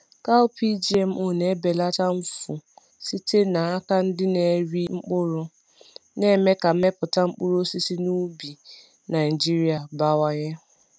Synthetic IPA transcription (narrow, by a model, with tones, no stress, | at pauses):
ka˦ʊ˦pi˦d͡ʒi˨e˨m̩˨ʔo˦˨ne˨˦be˨la˦ta˦m̩˦fu˨ | si˦te˦na˨a˦ka˦n̩˦dɪ˦ne˨ɾi˦ŋ͡m̩˦k͡pʊ˦ɾʊ˦ | ne˦me˦ka˨˦me˦pʊ˨ta˦ŋ͡m̩˦k͡pu˦ɾo˦si˦si˦nu˦bi˨ | na˨ɪ˨d͡ʒi˦ɾi˦a˨ba˦˨wa˦ɲɛ˦